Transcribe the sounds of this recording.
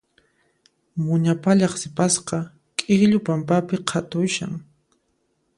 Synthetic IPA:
mʊɲapaʎɑχsɪpasqɑ | kʼɪχʎʊpampapɪqʰat̪ʊjʃa̰ŋ

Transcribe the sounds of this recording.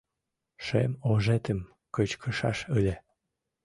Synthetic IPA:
ʃḛmoʒet̪əm | kət͡ɕkʰəʃɑ̰ʃəlʲe

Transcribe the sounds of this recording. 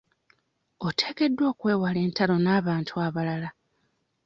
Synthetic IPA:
o̞tʰe̞ːke̞dːwo̞ːkwe̞ːwale̞ːntalo̞naːβaːntʰuaβalala

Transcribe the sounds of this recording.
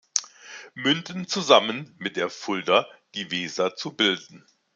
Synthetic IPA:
mʏndn̩t͡suzamənmɪt̚d̥eːɐfʊldɐd̥iːvɛːzɐt͡subɪldn̩

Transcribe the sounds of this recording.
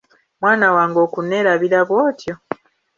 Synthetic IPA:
mwaːnawaːŋɡo̞ːkuneɾaβiɾaβwoːtjo

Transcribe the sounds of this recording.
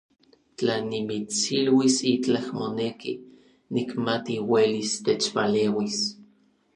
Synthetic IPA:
t͡ɬanimit͡silwisit͡ɬahmoneki | nikmat̪iwelist̪et͡ʃpaleːwis

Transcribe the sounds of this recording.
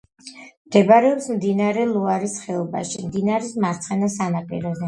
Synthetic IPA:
md̪̥ɛbɾɛɔpsmd̪inaɾɛlˠuaɾisχɛɔba̰ʃimd̪inaɾismaɾt̪sʰχɛnasanapʼḭɾɔzɛ

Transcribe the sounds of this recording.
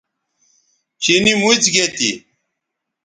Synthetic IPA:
t͡ɕinimut͡sɡet̪ḭ

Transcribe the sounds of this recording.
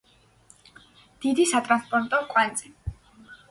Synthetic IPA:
d̪̥id̪isat̪ʼɾanspʼɔɾt̪ʼɔkʼwant̪sʼi

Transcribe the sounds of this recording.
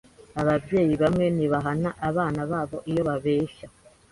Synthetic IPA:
aβabje̞ːjiβamŋe̞niβaɦanaʔaβaːnaβaːβo̞ʔijo̞βaβeːʃa

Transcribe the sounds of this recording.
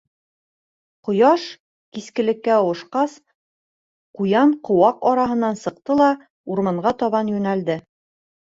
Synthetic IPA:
qŏjɑʃ | kiskɘ̆lɘ̆kːæŏwɤ̆ʃqɑs | qujɑɴqŏwɑqɒɾɑɦɤ̆nːɑnsɤ̆q̚t̪ɤlˠɑ | uɾmɑɴɢɑt̪ɒβɑnjʉnæld̪ɘ

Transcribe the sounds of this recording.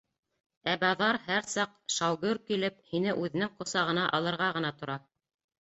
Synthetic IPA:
æbɑðɑɾhæɾsɑqʃɑwɡɵɾkilɘp̚hinɘʔʉðɘ̆nɘŋqŏsɑʁɤ̆nɑʔɑlˠɤ̆ɾʁɑʁɤ̆nɑt̪ŏɾɑ

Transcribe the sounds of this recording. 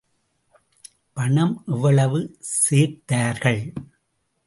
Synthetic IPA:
pɐɳɐmʔɛʋːɐɭɐʋɯseːɾt̪aːɾɣɐɭ

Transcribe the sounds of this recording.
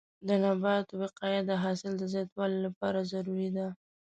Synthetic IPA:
d̪ənabɑt̪owɪqɑjad̪əɦɑsɪld̪əzjɑt̪wɑlolapɑɾazaɾuɾid̪a

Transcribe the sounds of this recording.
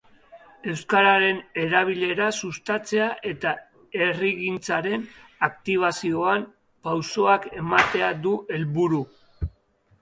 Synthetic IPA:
e̞wskaɾaɾe̞ne̞ɾaβ̞iʎe̞ɾasust̪at͡se̞aʔe̞t̪a | e̞riɣint͡saɾe̞nak̚t̪iβ̞asio̞am | pawso̞ake̞mat̪e̞ad̪uʔe̞lβuɾu

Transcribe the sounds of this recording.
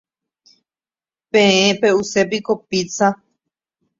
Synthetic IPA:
pẽẽpeusep̬ikopit͡sa

